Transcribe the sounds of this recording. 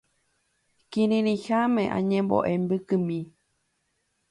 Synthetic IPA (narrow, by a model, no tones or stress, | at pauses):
kiɾĩɾĩhamẽʔã̰ɲẽmbo̰ʔembɨkɨmĩ